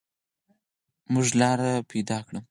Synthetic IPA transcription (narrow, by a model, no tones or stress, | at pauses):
mʊʒlɑɾapʰajd̪ɑkɽəm